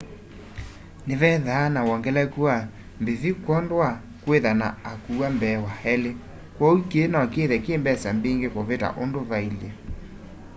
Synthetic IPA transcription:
nevɛðaːnawɔŋɡɛlɛkua | mbeðikwɔndwa | kweðana̰ːkuambɛwahɛle | kwɔukeːnɔkeðɛkembɛsambeŋɡekoβeta̰ʔondoβaila

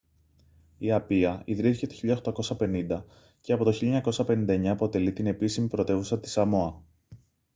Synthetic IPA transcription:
iɐpiɐiðɾiθcet̪eçiʎɐoxt̪ɐko̞sɐpe̞nind̪ɐ | ce̞ɐpo̞t̪o̞çiʎɐeɲɐko̞sɐpe̞nind̪ɐeɲɐːpo̞t̪e̞lit̪ine̞pisimipɾo̞t̪e̞vusɐt̪i̥sɐmo̞ɐ

